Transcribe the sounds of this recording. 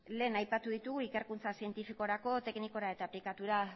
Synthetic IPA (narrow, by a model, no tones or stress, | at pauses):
le̞ːnajpat̪uðit̪uɣuike̞ɾkunt͡sasie̞nt̪ifikoɾako̞t̪e̞kniko̞ɾae̞t̪aːplikat̪uɾa